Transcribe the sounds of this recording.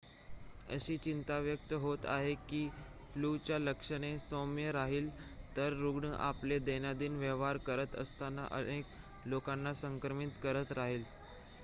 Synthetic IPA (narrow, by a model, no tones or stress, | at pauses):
ə̰ɕiːt͡ɕint̪aʋjək̚t̪əɦot̪a̰ɦekiː | flut͡ɕjaləkʂəɽ̃esomjəɾaɦiːlt̪əɾːuɡɳəʔa̰pled̪enjad̪iːnʋəʋ̤aɾkəɾət̪ə̰st̪ana̰ʔə̰nek | lokanːasəŋkɾəmit̪kəɾət̪ɾaɦiːl